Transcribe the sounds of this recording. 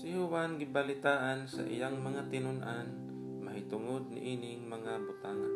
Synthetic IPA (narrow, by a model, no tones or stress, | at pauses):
sɪhʊwanɡɪbɐlɪt̪aːʔansa̰ʔɪ̰jaŋmɐŋat̪ɪnʊnʔan | mɐɦɪt̪ʊŋod̪̚nɪ̰ʔinɪŋmɐŋabʊt̪aːŋa